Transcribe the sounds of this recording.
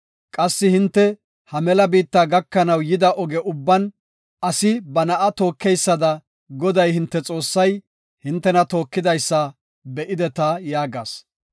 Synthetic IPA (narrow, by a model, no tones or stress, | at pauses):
kʼɐsːɪhɪnt̪ːɛ | hɐmɛlɐbiːt̪ːaːɡɐkːɐnɐwjɪd̪ɐʔɔɡɛʔʊbːɐn | ʔɐsɪbɐnɐʔɐt̪o̞ːkːɛjsːɐd̪ɐ | ɡɔd̪ɐjhɪnt̪ːɛt͡sʼo̞ːsːɐj | hɪnt̪ːɛnɐt̪o̞ːkːɪd̪ɐjsːɐ | bɛʔɪd̪ɛt̪ɐjaːɡaːs